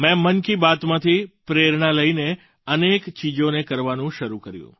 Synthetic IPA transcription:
mɛ̃mənkibat̪mãt̪ʰipɾeɾɳaləine | ənekt͡ʃid͡ʒonekəɾʋanũʃəɾukəɾjṵ̃

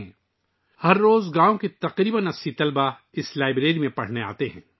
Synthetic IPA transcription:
hɐɾːoːzɡãːõket̪ɐqɾiːbənɐsit̪ɐlba | ɪslaːɪbɾeːɾimẽpɐɽ̤nea̰ːt̪eɦɛ̰̃ː

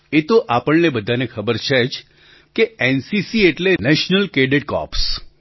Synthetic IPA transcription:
et̪oʔapəɭnebəd̪ʱanekʰəbəɾt͡ʃʰed͡ʒ | keensisieʈlenɛʃnəlkeɖeʈ̚kɔ̰ps

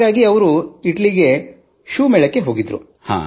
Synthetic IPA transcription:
aːɡiɐʋɐɾuiʈliɡe̞ | ʃuːmɛːɭɐkːeɦo̞ːɡid̪ɾṵ | ha̰ː

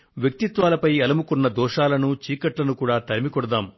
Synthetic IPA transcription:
ʋjɐk̚t̪it̪ʋaːlɐpɐjɐlɐmukunːɐd̪ɔːʂaːlɐnut͡ʃiːkɐʈlɐnukuːɽaːt̪ɐɾimikɔɽɐd̪aːm

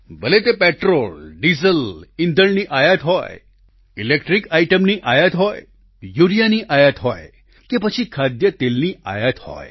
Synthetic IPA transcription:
bəlet̪epeʈɾolɖizəlɪnd̪ʱəɭniʔajət̪ɦɔ̰j | ilekʈɾikaiʈəmniʔajət̪ɦɔj | juɾijaniʔajət̪ɦɔj | kepət͡ʃʰikʰad̪jət̪elnia̰jət̪hɔ̰j

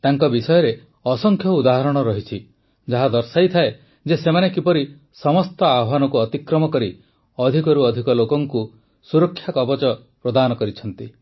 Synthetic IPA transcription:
t̪aŋkɔbisɔjɔɾe | ɔsɔŋkʰjɔud̪aɦɔɾɔɽ̃ɔɾɔɦit͡ʃʰi | d͡ʒaɦad̪ɔɾsajt̪ʰae | d͡ʒesemanekipɔɾi | sɔmɔst̪ɔabwanɔkuɔt̪ikɾɔmɔkɔɾi | ɔd̪ʱikɔɾuɔd̪ʱikɔlokɔŋku | suɾɔkʰːjakɔbɔt͡ʃɔ | pɾɔd̪anɔkɔɾit͡ʃʰɔn̪t̪i

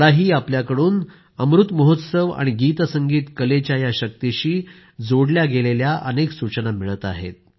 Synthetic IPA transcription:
ɽaɦiːapljakəɽuːn | əmɾut̪məɦot̪səʋa̰ɽ̃iɡiːt̪əsəŋɡiːt̪kəlet͡ɕjajaɕək̚t̪iɕiː | d͡zoɽljaɡeleljaʔəneksut͡ɕənamiɭət̪a̰ɦḛt̪̚

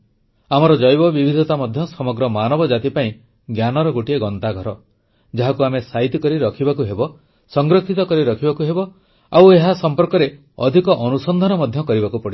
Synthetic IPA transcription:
amɔɾɔd͡ʒɔjbɔbibʱid̪ʱɔt̪amɔd̪ʱjɔsɔmɔɡɾɔmanɔbɔd͡ʒat̪ipaĩ | ɡjanɔɾɔɡoʈieɡɔnt̪aɡʱɔɾɔ | d͡ʒaɦakuamesait̪ikɔɾiɾɔkʰibakuɦebɔ | sɔŋɡɾɔkʰit̪ɔkɔɾiɾɔkʰibakuɦebɔ | aweɦasɔmpɔɾkɔɾe | ɔd̪ʱikɔʔɔnusɔnd̪ʱanɔmɔd̪ʱjɔkɔɾibakupɔɽi

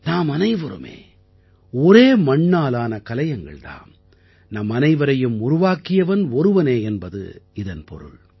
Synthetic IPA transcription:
naːmɐnɐɪʋɐɾɯ̰mḛː | ɔɾeːmɐɳːaːlaːnɐkɐlɐjɐŋɡɐ̰ɭt̪a̰ːm | nɐmːɐnɐɪʋɐɾɐjɯmʊɾʊʋaːkːɪjɐʋɐnɔɾɯʋɐneːɛnbɐðɯ̰ɪðɐnpɔ̰ɾɯ̰ɭ

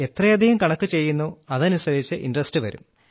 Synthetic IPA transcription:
e̞t̪rɐjɐd̪ʱijɐmkɐɳɐkːɨt͡ɕe̞jːunːuɐðɐnusɐɾit͡ɕːɨʔinrɐstɨʋɐ̰ɾṵm

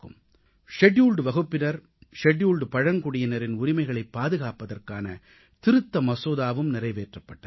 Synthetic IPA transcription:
kɯ̰m | ʂɛɖjuːlɖʋɐɣɯpːɪnɐɾ | ʂɛɖjuːlɖpɐɻɐŋkʊɽɪjɐnɐɾɪnʊɾɪmɐɪɣɐɭɐɪpːaːðɯɣaːpɐðɐrkaːnɐ | t̪ɪɾɯt̪ːɐmɐsoːðaːʋɯmnɪɾɐɪʋeːʈrɐpːɐʈːɐ

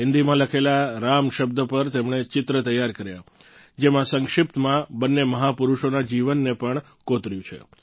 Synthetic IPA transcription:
ɦɪnd̪imãləkʰelaɾamʃəb̚d̪əpəɾt̪emɳ̃et͡ʃɪt̪ɾət̪əjːaɾkəɾja | d͡ʒemãsəŋkʃɪp̚t̪əmãbənːeməɦapuɾuʃonad͡ʒiʋənːepəɳ | kot̪ɾjũt͡ʃʰḛ

